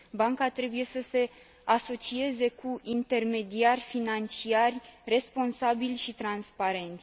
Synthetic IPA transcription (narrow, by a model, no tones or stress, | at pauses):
baŋkat̪ɾe̞buje̞səse̞ | aso̞t͡ʃie̞ze̞kʰuʔint̪e̞rme̞d̪iarʲfinant͡ʃiarʲre̞spo̞nsabilʲʃit̪ɾanspaɾe̞nt̪sʲ